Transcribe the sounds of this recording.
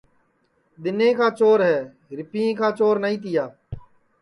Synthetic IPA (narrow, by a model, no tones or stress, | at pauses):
d̪ɪnẽːkaːt͡ʃoːɾɦɛː | ɾɪpiːẽːkaːt͡ʃoːɾnəɦĩːt̪ɪjaː